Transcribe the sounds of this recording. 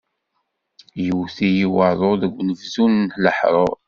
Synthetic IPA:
juwθijiwəðˤoðəɡʷːnəvzunnħləħɾˤoˤ

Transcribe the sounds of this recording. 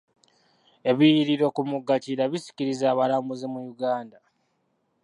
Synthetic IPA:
e̞βijiɾiɾo̞kumuɡːaciɾaβisi̥ciɾizaːβalambuzimujuɡaːnda

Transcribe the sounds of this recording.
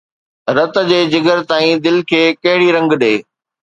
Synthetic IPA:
ɾɐt̪ə̆d͡ʑeːd͡ʑɪɡəɾt̪aːĩd̪ɪlkʰeːkɐɦɪɽiɾɐ̃ŋɡɗeː

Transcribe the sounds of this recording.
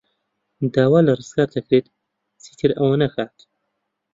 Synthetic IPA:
d̪aːwaːlɐrɨzɡaːɾd̪ɐkɾeːt̪ | t͡siːt̪ʰɨɾɐwanɐxaːt̪

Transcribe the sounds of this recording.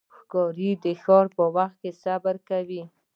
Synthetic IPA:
xkɑɾid̪əxɑɾpəwaxt̪̚kesabaɾkawi

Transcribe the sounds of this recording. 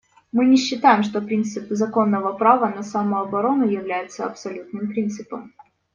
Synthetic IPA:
mɨnʲɪɕːɪt̪ajɪmʂt̪o̞pɾʲint̪sɨpzɐko̞nːəvəpɾavənɐsaməɐbɐɾo̞nʊjɪvlʲæjɪt̪səɐ̰psɐlʲut̪nɨmpɾʲint̪sɨpəm

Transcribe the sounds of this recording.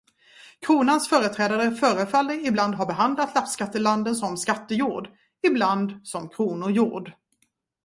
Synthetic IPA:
kʰɾuːnansfœːɾət̪ʰɾɛːd̪aɾəfœːɾəfalːəɪbland̪ɦaɾbɛɦand̪lat̪lapskat̪ːəland̪ənsɔmskat̪ːəjuːɖ | ɪbland̪sɔmkʰɾuːnʊɾjṵːɖ

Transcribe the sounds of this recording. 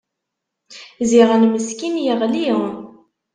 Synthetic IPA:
ziʁænməskinjəʁliw

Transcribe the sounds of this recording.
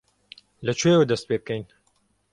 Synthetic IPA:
lɐt͡ʃʰujewɐd̪ɐst̪̚peːb̚kʰɐjn

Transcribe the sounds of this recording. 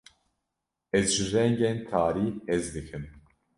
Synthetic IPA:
ɛzʒɨrɛŋɡɛnt̪ʰaːɾiːɛzd̪ɨkʰɨm

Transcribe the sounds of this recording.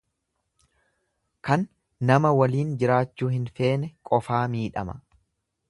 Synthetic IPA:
kɐnː | ɐmɐwɐliːnd͡ʒɪɾaːt͡ʃːuːhɪnfe̞ːnɛkʼɔfaːmiːᶑɐ̰mɐ̥

